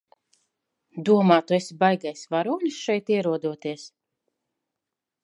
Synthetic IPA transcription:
d̪uɔmaːt̪uesʲibajɡajsvaɾuːlʲisʃɛjt̪iɛɾuɔd̪uɔt̪iɛs

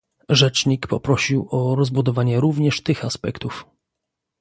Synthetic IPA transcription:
ʐɛt͡ʂɲikpɔpɾɔɕiwɔɾɔzbud̪ɔvaɲɛɾuvɲɛʂt̪ɘxaspɛ̰kt̪uf

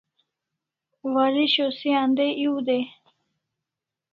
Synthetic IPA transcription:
waɾiɕosiand̪eʔiud̪e

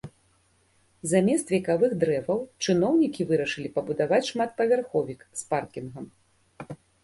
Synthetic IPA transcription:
zamʲɛst̪vʲɛkavɨɣd̪ɾɛvɐwt͡ʂɨn̪ɔwnʲikʲivɨɾɐʂɨlʲipɐbud̪avat͡sʲʂmat̪̚pɐvʲarxɔvʲiksparkʲinɣɐm

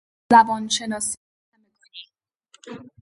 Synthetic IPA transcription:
æbɒːnʃe̞nɒːsi | nemikʰoniːm

